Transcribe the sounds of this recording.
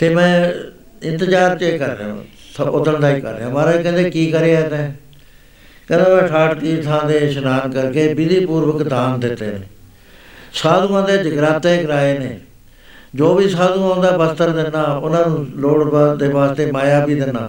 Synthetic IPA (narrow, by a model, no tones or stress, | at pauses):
t̪eːmɛ̃ː | ɪnt̪əd͡ʒaːɾt͡ʃeːkəɾːḛːõ̰ː | ʊt̪ːəɳd̪aːiːkə̰ɾːḛːãːmaːɾaːiːkɛ̃ːnd̪eːkiːkəɾeaːt̪ẽː | kɛ̃ːnd̪eːmɛ̃ːʈʰaːʈʈiːt̪ʰãːd̪eːʃənaːnkəɾkeːbɪd̪iːpuːɾʋəkd̪aːmd̪ɪt̪ːḛːnẽː | saːd̪ũːãːd̪eːd͡ʒəɡɾaːt̪ẽːkəɾaːeːneː | d͡ʒoːbiːsaːd̪ũːãːnd̪aːbəst̪əɾd̪ɪnːaːʊnãːnũːloːɽbaːd̪eːbaːst̪eːmaːjaːbiːd̪ɪnːa̰ː